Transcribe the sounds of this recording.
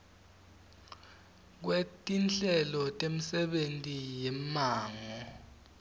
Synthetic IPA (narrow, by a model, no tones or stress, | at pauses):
k̬wetʼint͡ɬɛlɔtʼemisɛɓentʼijɛmaːŋɔ